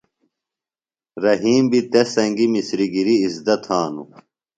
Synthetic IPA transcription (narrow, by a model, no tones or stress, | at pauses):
ɾɐɦiːmbit̪esɐŋɡimisɾiɡiɾiːzd̪ɐt̪ʰhaːnṵ